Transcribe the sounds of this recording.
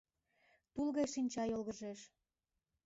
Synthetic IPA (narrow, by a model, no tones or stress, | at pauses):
t̪ulɣejʃinʲt͡ɕɑjolɣəʒeʃ